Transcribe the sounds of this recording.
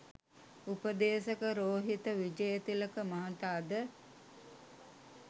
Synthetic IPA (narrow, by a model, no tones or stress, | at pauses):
upəd̪eːsəkəɾoːɦit̪əʋid͡ʒəjət̪iləkəmaɦat̪aːd̪ə